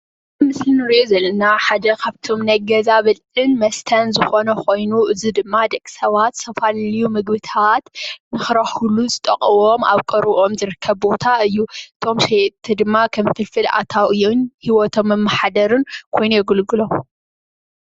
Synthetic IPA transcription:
ɨmɨslɨnɨɾozɐlːɐnaħad̪ɐkʰaβt̪ʰo̞mnɐɡɐzaβɐl | ɨnmɐst̪ʰɐnzɨxo̞nɐkʰo̞jnuʔɨzid̪ɨmːad̪ɐkʼi̥sɐβat̪sʰɐfallijumɨɡβɨt̪ʰat̪nɨxɨɾɐħuluzɨt̪ʼɐ̰χʼɨβo̞ma̰βkʼɨɾʔo̞mzɨɾɨkʰːɐβbo̞t̪ʰaɨjːuʔɨt̪ʰo̞mʃet̪ʰɨd̪ɨmːakʰɐmfʰɨlfɨlʔa̰t̪ʰawɨjonhiwɔt̪ʰo̞mːɐmːɐħad̪ɐɾɨnkʰo̞jnujɛɡɨlɡɨlo̞

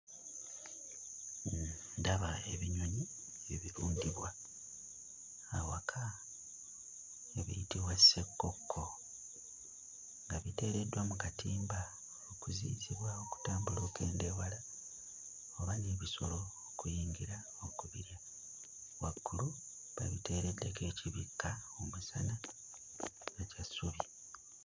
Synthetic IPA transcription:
daβaeβiɲoɲi | eβiɾuːndiβwa | wakʰa | eβḭjitiβwasekːo̞kʰːo̞ | ŋɡaβite̞ːɾe̞dwamukatʰiːmba | okuzḭːziβwaoku̥taːmbulo̞ːke̞ːndewala | oβaneβiso̞lo̞okujiːŋɡiɾa | okuβiɾja | waɡːulu | βa̰βite̞ːɾe̞dːweke̞ːciβikːaomusana | ɡacasuβi

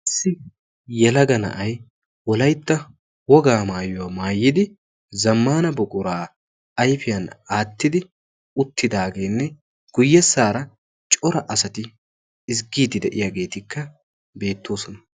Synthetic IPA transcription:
ɪsːɪ | jɛlɐɡɐnɐ̰ʔɐj | wɔlɐjt̪ːɐ | wɔɡaːmaːjʊwaːmaːjːɪd̪ɪ | zɐmːaːnɐbɔkʼʊɾaː | ɐjfɪjɐnaːt̪ːɪd̪ɪ | ʊt̪ːɪd̪aːɡe̞ːnːɛ | ɡ̥ʊjːɛsːaːɾɐ | t͡ʃʼɔɾɐʔɐsɐt̪ɪ | ɪs̬ɡiːd̪ɪd̪ɛʔɪjaːɡe̞ːt̪ɪkːɐ | be̞ːt̪ːoːsɔnɐ

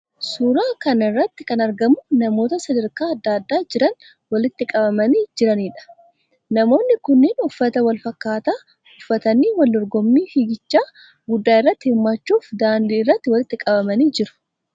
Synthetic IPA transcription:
suːɾaːkɐnɪrːɐt̪ːɪkɐnɐɾɡɐmʊnɐmo̞ːt̪ɐsɐd̪ɐɾkaːɐd̪ːaːd̪ːaːd͡ʒɪɾɐn | wɐlɪt̪ːɪkʼɐbɐmɐniːd͡ʒɪɾɐniːᶑɐ̥ | nɐmo̞ːnːɪkʊnːɪnʊfːɐt̪ɐwɐlfɐkːaːt̪aː | ʊfːɐt̪ɐniːwɐld̪ɔɾɡɔmːiːhɪɡɪt͡ʃːaː | ɡʊd̪ːaːɪrːɐt̪ːɪhɪmːat͡ʃːuːfd̪aːnd̪iːɪrːɐt̪ːɪwɐlɪt̪ːɪkʼɐbɐmɐniːd͡ʒɪɾʊ̥

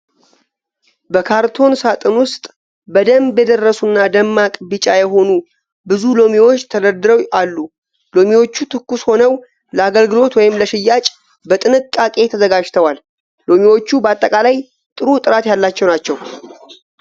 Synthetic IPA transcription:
bəkʰaɾt̪ʰo̞nsat̪ʼɨnwʊst̪ʼ | bəd̪əmbjɛd̪ərːəsunːad̪əmːakʼbɨt͡ʃʼajɛɦo̞nu | bɨzulo̞miwo̞t͡ʃːt̪ʰələɾd̪ɨɾəwalːu | lo̞miwo̞t͡ʃːut̪ʰɨkːusho̞nəw | ləaɡəlɡɨlo̞t̪wɔjɪmləʃɪjːat͡ʃʼ | bət̪ʼɨnɨkʼːakʼe̞t̪ʰəzəɡad͡ʒt̪ʰəwal | lo̞miwo̞t͡ʃːubəat̪ʼːəkʼalaj | t̪ʼɨɾut̪ʼɨɾat̪jalːat͡ʃːɛwnat͡ʃːɛw

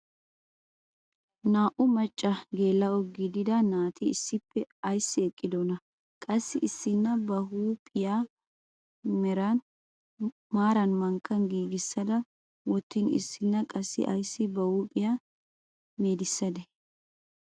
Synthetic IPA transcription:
naːʔʊmɐt͡ʃʼːɐɡeːlːɐɔɡɪd̪ɪd̪ɐnaːt̪ɪɪsːɪpːɛɐjsːɪɛkʼːɪd̪ɔnɐ | kʼɐsːɪʔɪsːɪnːɐbɐhuːpʼɪjaː | mɛɾɐn | maːɾɐnmɐŋkːɐnɡiːɡɪsːɐd̪ɐ | wɔt̪ːɪnɪ̰sːɪnːɐkʼɐsːɪ̰ʔɐjsːɪbɐhuːpʼɪjaː | meːd̪ɪsːɐd̪ɛ

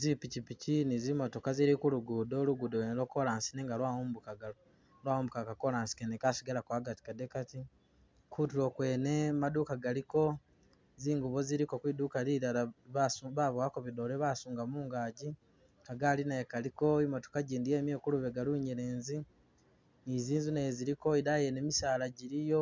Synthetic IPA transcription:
zipicipicinizimo̞to̞kaziɾikuluɡudo̞luɡudonelokːolaːnsineŋɡalwawumbukaɡa | lwaːwuːmbukakakolaːnsi̥kenekasiɡalakwaːɡati̥kadekati | kutulokwe̞ːne̞madukaɡaliko̞ | ziːŋɡuβoziɾiko̞kwiduːkaliɾalaβasuβaβwakoβido̞ɾeβaːsuːŋɡamuːŋɡaːɟi | kaɡalinaekaliko̞imoto̥kaɟiːndijeːmjeːkuluβe̞ɡaluɲeɾeːnzi | niziːnzuneziɾiko̞idajenemisaːlaɟiɾijo̞

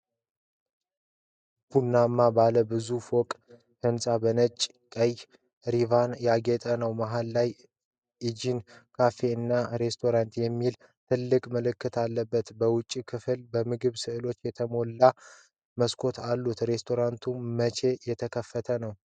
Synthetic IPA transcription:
b̥unːamːabaləbɨzufokʼ | hʰənsʼabənət͡ʃʼː | kʼəj | ɾivanjaɡet̪ʼənəwmaɦalːaj | ʔɨd͡ʒinkʰafe̞ɨnːaɾe̞st̪ʰo̞ɾant̪jɛmːil | t̪ʰɨlːɨkʼməlɨkːɨt̪ʰalːəbːət̪bəwʊt͡ʃʼːikʰɨfɨlbəmɨɡɨβsɨʔɨlo̞t͡ʃːjɛt̪ʰəmo̞lːa | məskʰo̞t̪ʰalːut̪ɾe̞st̪ʰo̞ɾant̪ʰummət͡ʃʰe̞jɛt̪ʰəkʰəfːət̪ʰənəw

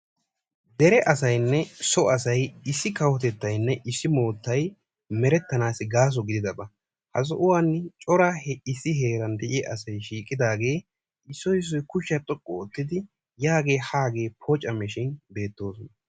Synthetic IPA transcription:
d̪ɛɾɛʔɐsɐjnːɛsɔɐsɐjɪsːɪkɐwɔt̪ɛt̪ːɐjnːɛʔɪsːɪmo̞ːt̪ːɐj | mɛɾɛt̪ːɐnaːsɪɡaːs̬ɔɡɪd̪ɪd̪ɐbɐ | hɐs̬ɔʔʊwaːnːt͡ʃʼɔɾahɪsːɪɦe̞ːɾɐnd̪ɛʔɪɛʔɐsɐjʃiːkʼːɪd̪aːɡe̞ː | ɪsːɔjɪs̬ːɔjkʊʃːɐt̪ʼɔkʼːɔːt̪ːɪd̪ɪ | jaːɡe̞ːhaːɡe̞ːpʰɔt͡ʃʼːɐmɛʃɪnbe̞ːt̪ːo̞ːsɔnɐ

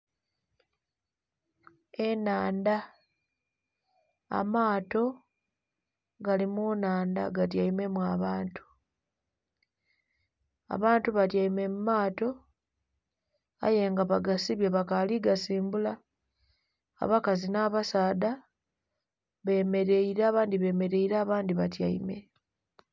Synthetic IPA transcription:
e̞naːnda | a̰maːto̞ | ɡalimunaːnda̰ɡatjaime̞mwaβaːntu̥ | a̰βaːntuβatjajime̞mumːaːto̞ | a̰je̞ŋɡaβaɡasiβjeβakaliɡasiːmbula | βakazinaːβasaːda | βe̞me̞ɾe̞iɾaːβaːndiβe̞ːme̞ɾe̞iɾaːβaːndiβatja̰ḭme̞̰

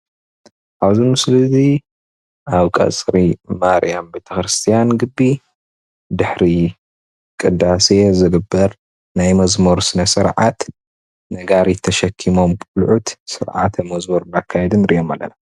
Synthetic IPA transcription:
ʔaβzimɨslɨzi | aβkʼɐ̰t͡sʼɾimaɾḭjambet̪ʰɐxɾɨst̪ʰijanɡɨbːi | d̪ɨħɾi | kʼɨd̪ase̞zɨɡɨbːɐɾ | najmɐzmɐɾsɨnɐsɨɾʕat̪ | nɐɡaɾit̪ʰɐʃɐkʰːimo̞mkʼulʕut̪sɨ̰ɾʕa̰t̪ʰɐmɐzmɐɾnakʰːajed̪ɨnɾʔḭʔomalːɐ̰na

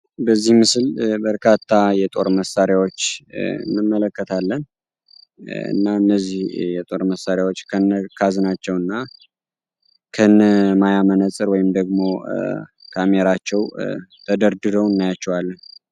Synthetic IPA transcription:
bəzːihmɨsɨlbəɾkʰat̪ʰːajɛt̪ʼo̞ɾməsaɾjawot͡ʃːɨ̰nːɨmːələkːət̪ʰalːən | ɨ̰nːaɨnːəzːihjɛt̪ʼo̞ɾməsːaɾjawo̞t͡ʃːkʰənːəkʰazɨnat͡ʃːɛwɨnːa | kʰənmajamənəsʼɨɾwɔjɪmd̪əɡmo̞ | kʰameɾat͡ʃːɛwt̪ʰəd̪əɾd̪ɨɾəwɨnːajat͡ʃːɛwalːən

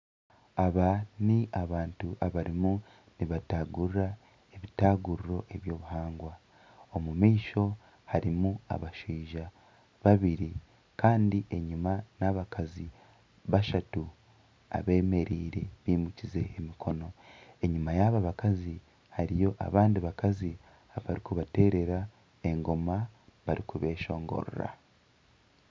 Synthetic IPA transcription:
aβaniʔaβaːntuʔaβaɾimu | niβataːɡuɾuɾa | eβitaːɡuɾuɾo̞ʔe̞βjo̞ːβuhaːŋɡwa | o̞mumiːʃo̞ | haɾimua̰βaʃiːʒa | βaβiɾi | kaːndiʔe̞ɲumanaβakʰazi | βaʃatu | a̰βe̞ːme̞ɾiːɾeβiːmucize̞ːmikʰo̞no̞e̞ɲumajaβaβakazi | haɾijo̞ʔa̰βaːndiβakazi | aβaɾikuβate̞ːɾe̞ɾa | e̞ŋɡo̞maβaɾikuβe̞ːʃo̞̰ːŋɡo̞̰ɾo̰ɾa̰

